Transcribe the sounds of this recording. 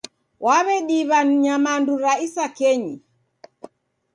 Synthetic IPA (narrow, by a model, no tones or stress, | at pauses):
wʔaβɛɗiβanɲamanduɾaisakɛɲi